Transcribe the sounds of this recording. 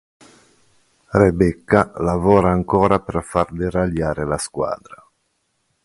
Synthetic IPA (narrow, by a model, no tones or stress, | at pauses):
rebɛkːalavɔːɾaːŋkɔːɾaperfard̪iraljaːɾelaskwa̰ːd̪ɾa